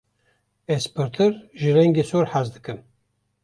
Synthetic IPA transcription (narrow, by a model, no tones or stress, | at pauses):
ɛspʰɨɾt̪ʰɨɾʒɨrɛŋɡesoɾħazd̪ɨkɨn